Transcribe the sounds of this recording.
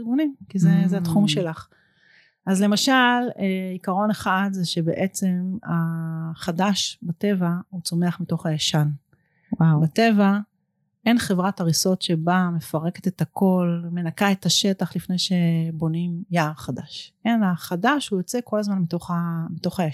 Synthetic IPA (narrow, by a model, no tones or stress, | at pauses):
ʁɡunimkizezɛat̪χumʃe̞laχ | azle̞maʃaleikaʁo̞neχad̪zeʃe̞bḛʔet͡se̞maχadaʃbate̞vaut͡so̞meaχmito̞χajaʃan | wabate̞va | e̞nχe̞vʁataʁiso̞tʃebame̞faʁe̞ket̪et̪ako̞lme̞nakae̞t̪aʃe̞taχlifnejʃe̞bo̞nimjaːʁχadaʃenaχadaʃhujot͡se̞ko̞lazmanmito̞χamito̞χaja